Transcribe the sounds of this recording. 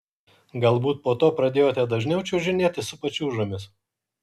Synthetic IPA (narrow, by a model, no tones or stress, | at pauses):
ɡɐlˠbuːt̪̚poːt̪oːpɾɐd̪ʲeːjoːt̪ʲɛd̪ɐʒʲnʲɛʊt͡ʃʲɛʊʒʲɪnʲeːt̪ʲɪsʊpɐt͡ʃʲuːʒomʲɪs